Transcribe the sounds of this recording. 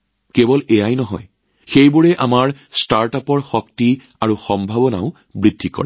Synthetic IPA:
kebɔlɛjajnɔɦɔ̰j | xejbʊɹɛʔamaɹ | staɹtapɔɹxɔkti | aɹuxɔmbʱabɔna̰ʊ | bɹidʱːikɔ̰ɹɛ

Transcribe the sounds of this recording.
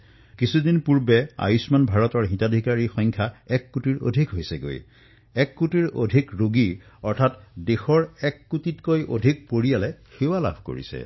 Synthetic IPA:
kisudinpuɹbɛa̰jusmanbʱaɹɔtɔɹɦĩtadʱikaɹixɔjŋkʰjaɛkːutiɹo̰dʱikɦojsɛɡo̰j | ɛkːutiɹo̰dʱikɹoɡi | ɔɹtʰatdexɔɹɛkːutitkojʔo̰dʱik̚poɹijalɛxewala̰bʱko̰ɹḭsɛ̰

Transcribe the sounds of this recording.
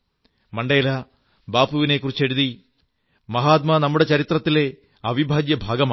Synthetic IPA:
mɐɳɖeːlɐ | baːpuʋine̞kːurit͡ɕːe̞ɽuði | mɐɦaːt̪̬̚mɐnɐmːuɽe̞t͡ɕɐɾit̪rɐt̪ːile | ɐʋibʱaːɡjɐbʱaːɡɐmaː

